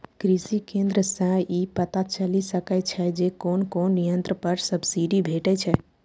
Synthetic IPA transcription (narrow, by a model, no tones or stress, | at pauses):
kɾisikẽnd̪ɾəsə̃ipət̪at͡ʃəlisəkɛt͡ʃʰɛd͡ʒekonkonːijənt̪ɾəpəɾsəbsiɖibʱeʈɛt͡ʃʰɛ